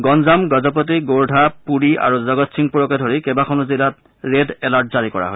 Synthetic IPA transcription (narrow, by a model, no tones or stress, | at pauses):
ɡɔnzamɡɔzɔp̬ɔt̬iɡoɹdʱapuɹiʔa̰ɹuzɔɡɔtsiŋpuɹɔkɛdʱoɹikɛbaxʰɔnɔzilat̚ | ɹedɛlaɹt̚zaɹikɔɹa̰ɦo̰j